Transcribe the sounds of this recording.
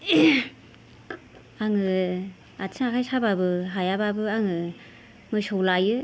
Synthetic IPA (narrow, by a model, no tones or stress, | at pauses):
aŋɯ | at͡sʰaakʰajsababɯɦajababɯaŋɯ | mɯsowlajɯ